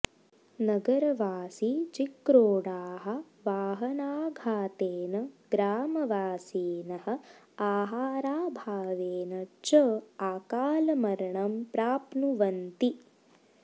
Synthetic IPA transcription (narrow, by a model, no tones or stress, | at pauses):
nɐɡɐɾɐʋaːsit͡ʃikɾoːɽaːɦɐ̆ | ʋaːɦɐnaːɡʱaːt̪eːnɐɡɾaːmɐʋaːsiːnɐɦɐ̆ | aːɦaːɾaːbʱaːʋeːnɐt͡ʃɐaːkaːlɐmɐɾɐɳɐmpɾaːpnuʋɐnt̪i